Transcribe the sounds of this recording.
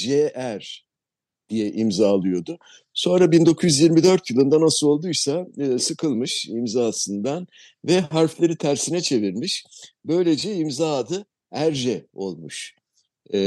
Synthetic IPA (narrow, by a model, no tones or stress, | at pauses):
ʒeʔæɾ | d̪̥ijɛʔimzaːlˠɯjo̞d̪ʊ | so̞nɾabind̪o̞kʰujyzjiɾmid̪ø̞ɾt̪ʰjɯlˠɯnd̪anasɯlˠo̞lˠd̪ujsaːsɯkʰɯlˠmɯʃimzaːsɯnd̪an | vɛɦaɾflʲˠeɾit̪ʰæɾsinɛt͡ʃʰe̞viɾmiʃbø̞jlʲe̞d͡ʒɛimzad̪ɯ | æɾʒɛo̞̰lˠmuʃ